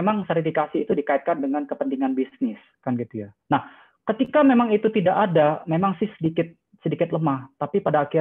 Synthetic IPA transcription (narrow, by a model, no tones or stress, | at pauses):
emaŋsɛɾifikasiːt̪udikait̪̚kandəŋankəpənt̪iŋanbisnɪs | kanɡit̪uja | nah | kət̪ikamemaŋit̪ut̪idaʔadamemaŋsɪhsədikɪt̪̚ | sədikɪt̪̚ləmaht̪apipadaːki